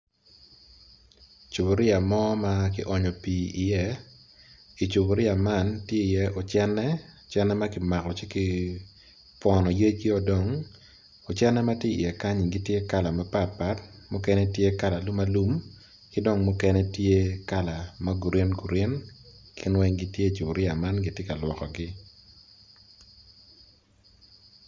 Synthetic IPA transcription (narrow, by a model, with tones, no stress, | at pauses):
t͡ʃu˨bo˨ɾɪ˦a˨mɔ˦ma˦kɪ˦ʔɔ˨ɲɔ˨piː˨i˨jɛ˦ | i˨t͡ʃu˨bo˨ɾɪ˦a˨ma˦˨ntje˦i˨jɛ˦ɔ˨t͡ʃɛ˦nɛ˦ | t͡ʃɛ˦nɛ˦ma˦kɪ˦ma˨kɔ˨t͡ʃɪ˦kɪ˦ | pɔ˨nɔ˨je˦ɡi˦ɔ˨dɔ˨ŋ | ɔ˨t͡ʃɛ˦nɛ˦ma˦tje˦ḭ˨jɛ˨ka˦ɲi˨ɡi˦tje˦ka˦la˨ma˦pa˦t̚pa˦tmʊ˦kɛ˦nɛ˦tje˦ka˦la˨lu˦ma˦lu˦m | kɪ˦do˦˨ŋmu˦kɛ˦nɛ˦tje˦ka˦˨la˨ma˦ɡu˨ɾje˦nɡu˨ɾe˦nkʰɪ˦nwɛ˦ŋɡi˦tje˦i˨t͡ʃu˨ɡɾɪ˦a˨ma˦nɡi˨˦tje˦ka˨lwɔ˨kɔ˨ɡɪ˦